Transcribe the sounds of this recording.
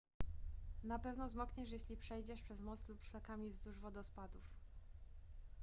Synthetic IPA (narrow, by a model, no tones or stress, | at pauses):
napɛvnɔzmɔkɲɛʂjeɕlʲipʂɛjd͡ʑɛʂpʂɛzmɔt̪slupʂlakamʲivzd̪uʐvɔd̪ɔspad̪uf